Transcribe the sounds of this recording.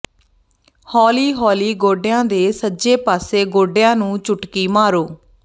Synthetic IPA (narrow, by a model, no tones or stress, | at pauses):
hɔːliːɦɔːliːɡoːɖejãːd̪eːsəd͡ʒeːpaːseːɡoːɖejãːnũːt͡ʃʊʈkiːmaːɾoː